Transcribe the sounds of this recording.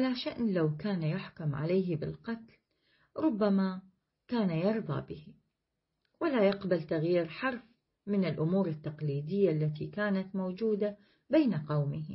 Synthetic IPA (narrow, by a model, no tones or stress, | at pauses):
ʕalaʃaʔnlawkaːnjʊħkʊmʕa̰lajɦbɪ̰lqɑt̪l | ɾˤʊbːama | kaːnajɑɾˤðˤɑ̰bɪhi | walajɑqbalt̪aɣjiːɾħɑɾˤf | mɪnɪlʔʊmuːɾɪt̪ːɑqliːd̪ɪjːaʔlːat̪ikaːnat̪mowd͡ʒuːd̪a | beːnaqɑwmɪh